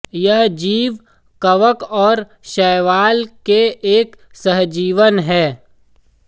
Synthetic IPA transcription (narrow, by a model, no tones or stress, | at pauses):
jɐɦd͡ʒiːʋ | kɐʋəkɔːɾ | ʃɛːʋaːlkeʔeːksəɦd͡ʒiːʋənɦɛː